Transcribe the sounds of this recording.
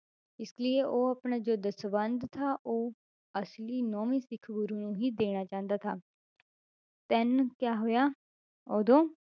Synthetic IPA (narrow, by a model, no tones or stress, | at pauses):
ɪslieʔoːəːpɳaːd͡ʒoːd̪əsəbənd̪t̪ʰaːʔoː | əsliːnɔːʋĩːsɪkʰɡʊɾuːnũːɦiːd̪eːɽ̃aːt͡ʃãːnd̪aːt̪ʰaː | t̪ɛnkjaːɦoːjaː | oːd̪õː